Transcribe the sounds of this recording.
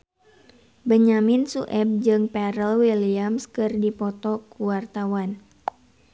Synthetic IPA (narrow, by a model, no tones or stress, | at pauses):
bəɲaminsuʔɛb̚d͡ʒɨŋpɛɾəlwiliamskɨrdipɔt̪ɔkuwart̪awan